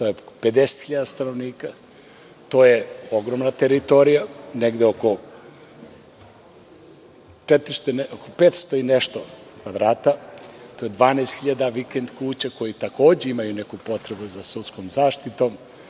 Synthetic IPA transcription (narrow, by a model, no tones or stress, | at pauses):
t̪ojeped̪ese̥t̪xiʎad̪ast̪anoʋniːka | t̪oːjeoɡɾomnat̪eɾit̪oɾijaneɡd̪eoko | t͡ʃet̪ɾist̪ookopet̪st̪oineʃt̪okʋad̪ɾaːt̪at̪ojed̪ʋaːneːst̪xiʎad̪aʋikend̪kuːt͡ɕako̞jit̪ako̞ːd͡ʑeimajunekupo̞t̪ɾebuzasut̪sko̞mzaːʃt̪it̪om